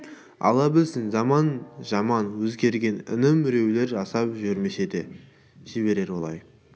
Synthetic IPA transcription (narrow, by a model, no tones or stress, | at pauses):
ɑ̰lˠɑbɪlsɪŋzɑmɑnʒɑmɑnwɵzɡʲe̞ɾɡʲe̞nɪ̰nɪmʏɾe̞wle̞ɾʒɑsɑpʒʏɾmesed̪e | ʒ̥ɪβe̞ɾe̞ɾwo̞lˠɑ̰j